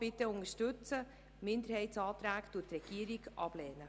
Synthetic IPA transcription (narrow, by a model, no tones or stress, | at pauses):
b̥ɪtəʊnəʃtʏt͡sə | mɪndəɾhɛɪtsɑːt̪ɾæːktuːtːrɛɡ̥iːəɾɪɡʔɑb̥lɛːnə